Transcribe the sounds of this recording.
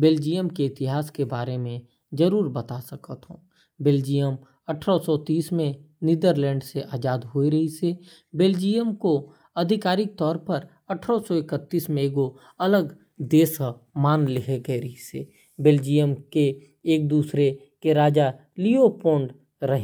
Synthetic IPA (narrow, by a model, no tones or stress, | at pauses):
beld͡ʒijəmkeɪt̪ɪɦaːskebaːɾemẽ | zəɾuːɾbət̪asəkət̪ɦõː | beːld͡ʒijəm | ɐʈʰɾɔsɔt̪iːsmẽnɪd̪əɾlɛ̃ːɳɖseʔaːd͡ʒaːd̪ɦoːiɾɐɦise | beld͡ʒijəmko | ɐd̪ʱɪkaːɾɪk̚t̪ɔːɾpəɾ | ɐʈʰɾosɔɪkət̪ːiːsmẽɡo | ɐləɡ | d̪eːs | maːnlɪɦeɡəeɾəise | beld͡ʒijəmkeː | k̚d̪uːsɾe | keɾaːd͡ʒa | liopõːɳɖ | ɾɐɦẽ